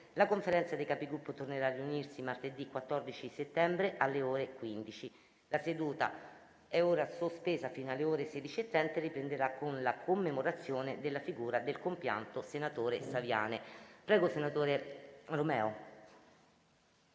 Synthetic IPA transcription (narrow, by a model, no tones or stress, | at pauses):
lakoɱfeɾɛnt̪sad̪ejkapiɡɾupːot̪orneɾaːrːiunirsimart̪ed̪ikwat̪ːɔrd̪it͡ʃiset̪ːɛmbɾeʔalːeoːɾekwind̪it͡ʃi | lased̪uːt̪a̰ | ɛoːɾasospeːzafiːnoalːeoːɾesed̪it͡ʃiet̪ːɾɛnt̪aripɾend̪eɾakːonlakʰomːemoɾat̪sːjoːned̪elːafiɡuːɾad̪elkompja̰nt̪osenat̪oːɾesavja̰ːnepɾɛːɡosenat̪oːɾeromɛːo